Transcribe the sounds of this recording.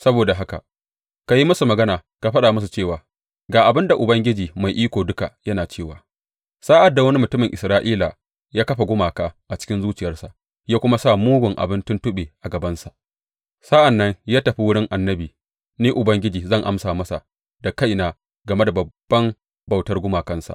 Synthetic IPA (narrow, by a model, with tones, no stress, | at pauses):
sɐ˦boː˨da˨ɦa˦ka̰˨ | ka˨ji˦mɐ˦su˨mɐ˨ɡɐ˦naː˨ | ka˨ɸɐ˦ɗaː˨mɐ˦s̬u˨t͡ʃeː˦˨waː˨ | ɡaː˨ʔa˨bɪ˦nda˨ʔʊ˨bɐ˦ŋɡʲɪ˦d͡ʒiː˨ma˨jʔiː˦kʷoː˨dʊ˦ka˨jɐ˦naː˨t͡ʃeː˦˨waː˨ | saː˦ʔa˨dːa˨wɐ˦ni˦mʊ˨tʊ˦mɪ˨ŋʔɪ˨sɾaː˦ʔiː˦laː˨ | jaː˦kɐ˦ɸa˨ɡʷʊ˦maː˨kaː˨ʔa˨t͡ʃɪ̥˦kʲɪ˦nzuː˦t͡ʃɪ˨jɐ˦rsa˨ʔ | jaː˦kʷʊ˦ma˦sa˦muː˦ɡʷʊ˨ŋʔa̰˨bɪ˦ntʊ˦ntʊ˦ɓeː˨ʔa˨ɡɐ˨bɐ˦nsa˨ʔ | sa˦ʔa˨nːɐ˦ŋjaː˦tɐ˨ɸi˦wʊ˦ɽɪ˦ŋʔa˨nːɐ˦biː˨ | niː˦ʔʊ˨bɐ˦ŋɡʲɪ˦d͡ʒiː˨zɐ˦˨ŋʔa˦msaː˨mɐ˦sa̰˨ʔ | da˨ka˦jnaː˨ | ɡɐ˨me˦da˨bɐ˨b̥ːɐ˦m | bɐ˨wtɐ˦rɡʷʊ˦maː˨kɐ˦nsa̰˨ʔ